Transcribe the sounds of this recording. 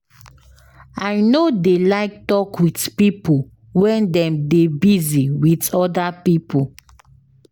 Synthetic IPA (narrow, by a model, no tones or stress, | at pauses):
aɪnodelaɪk̚tɔkwitpipo | wɛ̃ndɛ̃mdebiziwitɔdapipo